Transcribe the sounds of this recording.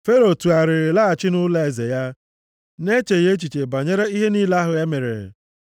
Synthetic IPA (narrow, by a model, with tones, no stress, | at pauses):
fe˦ɾo˨tu˨a˨ɾɪ˨ɾɪ˨la˦a˨t͡ʃɪ˦nʊ˦le˦e˨ze˨ja˦ | ne˦t͡ʃe˨je˦t͡ʃi˨t͡ʃe˨ba˨ɲe˦ɾe˦i˦ɦe˦niː˦la˦ɦʊ˨e˦me˨ɾḛ˨ɾ̰